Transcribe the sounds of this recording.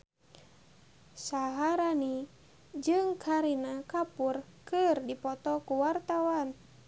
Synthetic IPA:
saɦaɾani | d͡ʒɨŋkʰaɾinakapurkɨrdipɔt̪ɔkuwart̪awan

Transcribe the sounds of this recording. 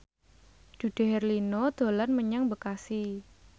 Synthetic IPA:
d͡ʒ̥ṳɖ̪̥e̤ɦɛrlinoɔd̪̥o̤lanməɲaŋbəkasi

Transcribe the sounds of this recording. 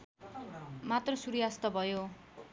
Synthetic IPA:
mat̪rʌsuɾijast̪ʌbʱʌjo

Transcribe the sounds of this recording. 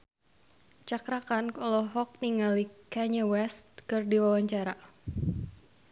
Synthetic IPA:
t͡ʃakɾakankɔlɔɦɔk̚niŋalikaɲawɛst̪̚kɨrdiwawaɲt͡ʃaɾa

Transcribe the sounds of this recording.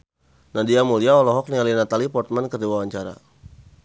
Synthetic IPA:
nadiamuliaɔlɔɦɔk̚nialinat̪alipɔrt̪̚mankərdiwawaɲt͡ʃaɾa̰

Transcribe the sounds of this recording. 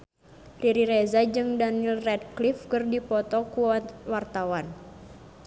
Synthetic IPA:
riɾiɾɛzad͡ʒɨŋdanilrɛd̚klifkɨrdipɔt̪ɔkuwart̪awan

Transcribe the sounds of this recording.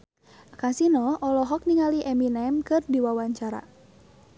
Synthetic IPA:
kasinɔʔɔlɔɦɔk̚niŋaliʔɛminɛmkɨrdiwawaɲt͡ʃaɾa̰

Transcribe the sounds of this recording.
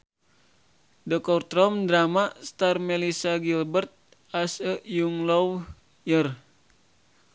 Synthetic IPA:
dɔkɔrt̪ɾɔmdɾamast̪armɛlisaɡilbərt̪̚ | asəʔjuŋlɔw | jər

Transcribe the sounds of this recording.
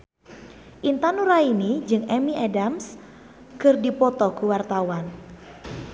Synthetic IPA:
ʔint̪anuɾainid͡ʒɨŋɛmiʔadams | kɨrdipɔt̪ɔkuwart̪awan

